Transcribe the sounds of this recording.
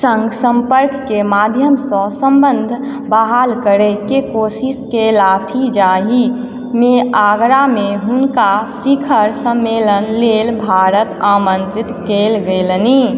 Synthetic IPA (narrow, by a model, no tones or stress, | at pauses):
sə̃ŋɡsə̃mpəɾkːemad̪ʱjəmsɔ̃sə̃mbə̃nd̪ʱ | baɦalkəɾekekoːsiskelaːt̪ʰid͡ʒaːɦi | meaːɡɾameɦʊnkasikʰəɾsəmːeːlənleːlbʱaːɾət̪amə̃nt̪ɾɪt̪keːlɡelni